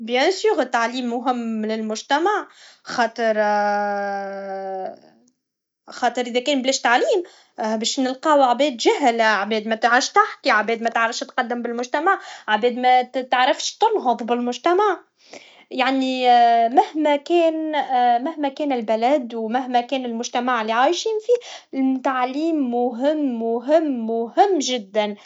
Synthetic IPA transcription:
bjæ̃syːɾət̪ːaʕliːmːʊɦɪmːlɪlmʊʒt̪æmaʕxɑːt̪ˤəɾ | xɑːt̪ˤɨɾʔɪðɛkɛːnblɛːʃt̪aʕliːm | bɛːʃnəlqɑːwʕabɛːd̪ʒæɦlʕbɛːd̪mɛt̪ʕɑʃt̪aħkiʕabɛːd̪mæt̪ʕɾˤɑfʃt̪qɑd̪ːəmbɪlmʊʒt̪æmaʕʕbɛːd̪mɛt̪ʕɾɑfʃt̪ʊnɦʊðˤbɪlmʊʒt̪æmaʕ | jaʕnimɪhmɛkɛːnmɪhmækɛːnɪlbɪlæd̪wmæɦmɛkɛːnɪlmʊʒt̪æmaʕlːiʕaːjʃiːnfiːt̪aʕliːmːʊɦɪmːʊɦɪmːʊhɪmːʒɪd̪ːæn

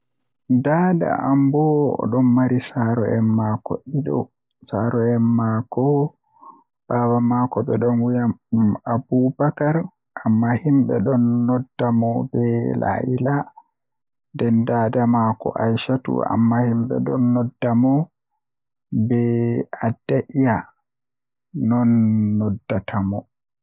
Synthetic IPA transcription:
daːda̰ambɔ̰ɗɔnmaɾisaɾɔɛmːakɔ̰ʔiɗɔ̰ | saɾɔɛnːakɔ | b̥abamaːkɔbɛɗɔnwujamabubakaɾ | ʔamːahimbɛɗɔnːɔdːamɔbɛla̰ʔḭla | ndɛndaːdamakɔ̰ʔajʃatṵa̰mːahimbɛ̰ɗɔ̰nːɔdːamɔ | bɛadːaʔija | nɔnːɔdːatʰamɔ

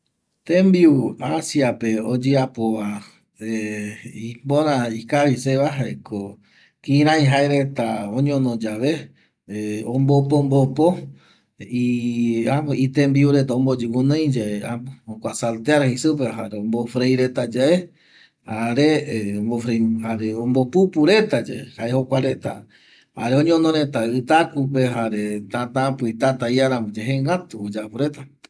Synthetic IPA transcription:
t̪ẽmbiuasiapeod͡ʒeapoʋa | eipõɾ̃ãikaβiseβaɦaeko | kĩɾ̃ãj̃ɦaeɾe̞t̪aõɲõnõd͡ʒaʋe | õmbop̬ombopo | iait̪embiuɾet̪aõmbod͡ʒukũnẽj̃d͡ʒaeaokʷasalt̪eaɾhisup̬eɦaɾeombofɾejɾet̪ad͡ʒae | haɾeombofɾehaɾeombopupuɾe̞t̪ad͡ʒa̰ḛhaehokʷaɾet̪a̰ | ha̰ɾeõɲonõɾẽt̪aɨt̪akup̬e̞ɦaɾe̞t̪ãt̪ãpit̪at̪aiaɾãmod͡ʒeɦeŋɡat̪uod͡ʒapuɾe̞t̪a

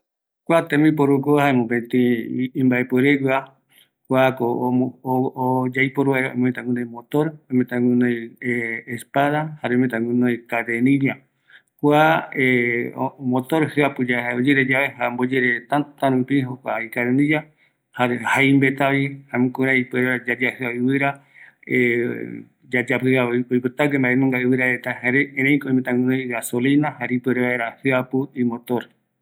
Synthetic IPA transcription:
kʷat̪ẽmĩpoɾukohaemõpet̪ĩːmbaepueɾekwa | kʷako | od͡ʒajpoɾueɾoo̰m̃mẽt̪ãɡũnõj̃mot̪oɾomẽt̪ãŋũnõjː | spaðahaɾemẽt̪ãŋũnõjkaðenĩɾia | kʷae | mot̪oɾhɨapɨd͡ʒaaod͡ʒeɾed͡ʒaβeɦambod͡ʒeɾet̪ãt̪aɾũpĩɦokʷa̰ikaðenĩd͡ʒa | haɾehaimbet̪aβihamũkɾaipɾead͡ʒad͡ʒahɨaɨβɨɾa | e | d͡ʒad͡ʒapɨaoipɨt̪akembaʔenõŋɡaɨβɨɾaet̪aeɾeeɾejkoĩmet̪ãŋɡɨ̃nõjɡasolinahaɾeipeɾeβaeɾahɨapuimõt̪oɾ

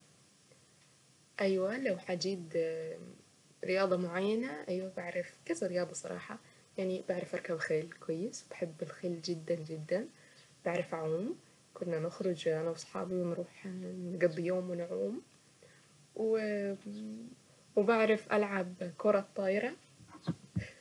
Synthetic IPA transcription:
ʔajwalawħad͡ʒiːd̪ | ɾɪjɑːd̪ˤɑmʊʕajːanaʔajwabaʕɾˤɑfkazaɾɪjɑːd̪ˤɑsˤɑ̰ɾˤɑ̰ːħɑ̰ | jaʕnibaʕɾˤɑfʔɑɾˤkabxeːlkwajːɪswɪt̪ħɪbːɪlxɪːlːd͡ʒɪd̪ːand͡ʒɪd̪ːan | b̥aʕɾˤɑfʕuːm | kʊnːanɪxɾʊd͡ʒʔanawsˤħɑ̰ːbiwɪnɾuːħnɡɨd̪ˤːjoːmwɪnʕuːm | w | wbaʕɾˤɑfʔa̰lʕabkʊɾˤɑt̪ˤːɑːʔɪɾˤɑ

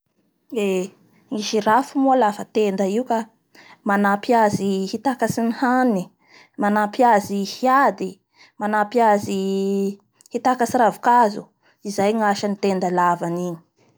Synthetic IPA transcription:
e | ŋiʃirafumualafət̪end̪aiuka | manapiazihit̪akasinihani | manapiazihjad̪i | manapiazi | hit̪akasiɾavukazu | izajŋaʃanit̪end̪alavaniɲi̥

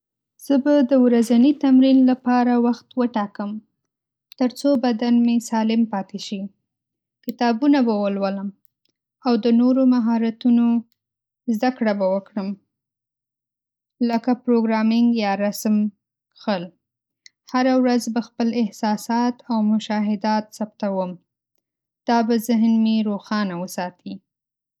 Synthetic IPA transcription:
z̥əbad̪əwɾazanit̪amɾinlapɑɾawaxt̪wəʈɑkəm | t̪əɾt͡sobad̪anmesɑlɪmpɑt̪eʃi | kɪt̪ɑbunabawəlwələm | awd̪ənoɾomaɦɑɾat̪uno | zd̪akɽabawəkɽəm | ləkapɾoɡɾɑmɪŋɡjɑɾasm | kxəl | haɾawɾazbaxpəlɪhsɑsɑt̪awmʊʃɑɦɪd̪ɑt̪sapt̪awəm | d̪̥ɑbazɪɦnmeɾoxɑnawəsɑt̪ʰi

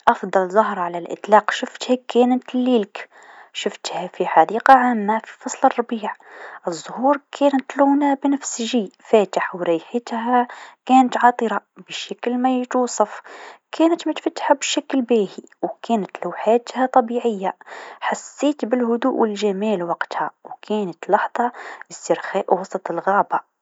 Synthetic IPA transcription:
ʔɑfd̪ˤɑlzˤʊɦɾˤʕalalʔɪ̰t̪ˤlɑːqʃʊft̪hakæːnɪt̪lːiːlk | ʃʊft̪hafiħad̪iːqaʕaːmːafi̥fɑsˤlɪrˤːɑbiːʕʔɨzˤːʊhuːɾkʰæːnɪt̪luːnabnafsʒiːfæːt̪aħwɾiːħɪt̪hakæːnat̪ʕɑːt̪ˤɨɾɑb̥ɪʃaklmajt̪uːsˤɑfkʰæːnət̪mɪt̪fat̪ːħabɪʃaklbæːhiwkʰæːnɪt̪lawħaːt̪hat̪ˤɑbiːʕɪjːaħasːiːt̪bɪlɦʊd̪uːʔwɪlʒamiːlwɑqt̪hawkʰæːnat̪lɑħðˤɑɪsɪɾxaːʔwɑsˤɑt̪ˤɪlɣɑːba

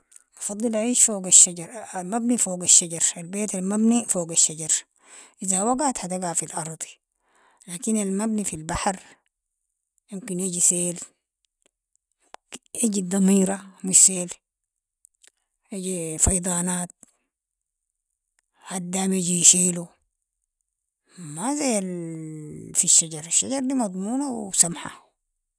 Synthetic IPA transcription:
ʔɑfɑd̪ˤːɨlaiːʃfoːɡaʃːaɟɑɾˤalmabnifoːɡaʃːaɟɑɾˤalbeːt̪almabnifoːɡaʃːaɟɑɾˤ | ʔizawaɡat̪hat̪aɡafilʔɑɾˤd̪ˤi̥ | laːkinalmabnifilbaħɾ | jumkiniɟiseːl | ʔiɟid̪ɑmiːɾɑmiʃseːl | ʔiɟifɑjd̪ˤɑːnaːt̪̚ | had̪ːaːmiɟiʃeːlu | mazajːal | fiʃːaɟɑɾˤaʃːaɟɑɾˤd̪iːmɑd̪ˤmuːnawsamħa̰

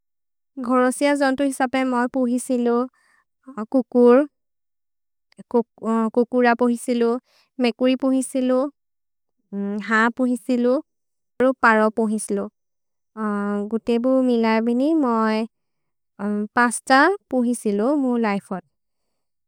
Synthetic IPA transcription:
ɡʱɔɹɔsijazɔntʊɦisapɛmojpoɦisilʊ | kukuɹ | kukuɹapoɦisilʊ | mɛkuɹipoɦisilʊ̃ | ɦapuɦisilʊ̃ | aɹupaɹɔpoɦisilʊ̃ | ɡutebʊɹmilajbinimoj | pãstapoɦisilʊ̃mʊɹlajpʰɔt̚

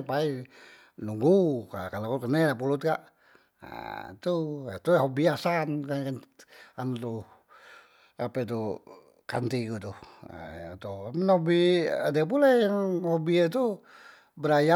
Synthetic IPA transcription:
pai | nuŋɡuka̰kalakukənɛlapulut̪̚kaʔ | t̪ua̰t̪uɦobiasankakanant̪u | apɛt̪u | ka̰nt̪ikut̪uh | t̪uminobidiap̬ulajaŋhobiet̪u | bəɾaja

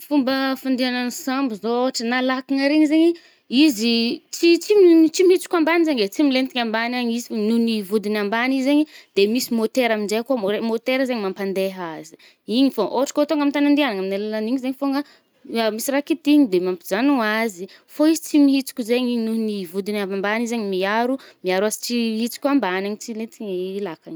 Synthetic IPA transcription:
fumbəfand̪iananisambizooaʈ͡ʂənalakaŋəɾeɲizeɲi | izit͡sit͡simt͡simihit͡su̥kʲambanizeɲet͡similent̪iɲambanaɲizinunivud̪inambanizzeɲid̪̥emisimot̪eɾaminzekuaoemot̪eɾəzeɲimampand̪eɦazi̥ | iɲifoʔoʈ͡ʂḁkot̪oŋɡamit̪anand̪ianaŋaminalalaniɲizeɲifoŋɡə | amisiɾakit̪iɲid̪emampi̥zanuazi | foizi̥t͡simiɦit͡su̥kʲuzeɲinunivud̪inavambanizeɲimiaɾumiaɾuazi̥t͡siɦit͡su̥kʲuambanaɲit͡silet̪iɲilakaɲi̥

